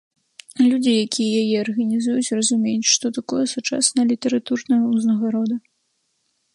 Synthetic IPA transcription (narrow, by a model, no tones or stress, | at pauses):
lʲud͡zʲijakʲʰijɛjajɛɐrɣɐnʲizujut͡sʲrɐzumʲejut͡sʲʂt̪ɔt̪akɔjɛsut͡ʂa̰snɐlʲit̪ɛɾat̪urnɐjɐuznɐɣaɾɔd̪ɐ